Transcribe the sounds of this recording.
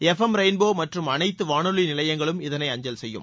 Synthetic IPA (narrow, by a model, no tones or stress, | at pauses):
ɛfɐmɾɐɪnboːmɐʈrɯmɐnɐɪt̪ːɯʋaːnɯɭinɪlɐjɐŋɡɐɭɯmɪðɐnɐɪɐɲd͡ʒɐlsɛjːɯ̰m